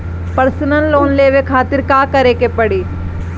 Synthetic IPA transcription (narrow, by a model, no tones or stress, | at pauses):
pɐɾsənəlːoːnleːʋekʰaːt̪ɪɾkaːkɐɾeːkepɐɽiː